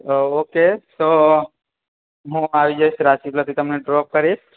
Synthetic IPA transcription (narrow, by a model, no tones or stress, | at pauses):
oket̪o | ɦũaʋid͡ʒajsɾaʃiplət̪ʰit̪əmneɖɾop̚kəɾiʃ